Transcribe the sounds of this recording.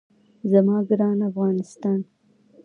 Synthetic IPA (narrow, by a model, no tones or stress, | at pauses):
zamɑɡɾɑnafɣɑnɪst̪ɑn